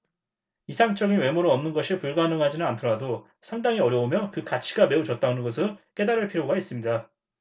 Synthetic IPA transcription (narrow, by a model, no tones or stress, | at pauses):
isʰaŋt͡ɕ͈ʌɡinwe̞muɾɯʌmnɯnɡʌɕʰipuɭɡanɯŋɦad͡ʑinɯnantʰʌɾado | sʰaŋdaŋiʌɾjʌomjʌkɯkat͡ɕʰiɡame̞ut͡ɕʌt̚t͈aonɯnɡʌsʰɯnk͈e̞daɾɯɭpʰiɾjoɡais͈ɯmɲida